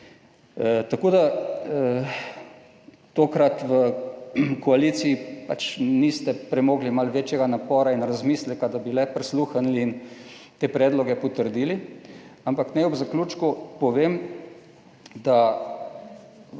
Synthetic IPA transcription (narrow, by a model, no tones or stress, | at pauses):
t̪akod̪a | t̪okɾat̪ʋə | kɔaliːsiːpat͡ʃnist̪ɛpɾɛmoːɡlimalʋeːt͡ʃjɛɡanapɔːɾainɾazmiːslɛkad̪abilɛpɾisluːxanliːn | t̪eːpɾɛːd̪lɔɡɛpɔt̪əɾd̪iːliampaknɛɔbzakluːt͡ʃkupɔʋem | d̪a